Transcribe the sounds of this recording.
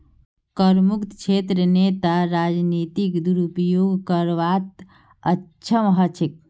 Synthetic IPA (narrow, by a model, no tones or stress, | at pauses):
kəɾmukt̪t͡ʃʰet̪ɾənet̪aɾad͡ʒnit̪ikd̪uɾupjoɡkəɾʋat̪ | əːt͡ʃʰəmɦət͡ʃʰik̚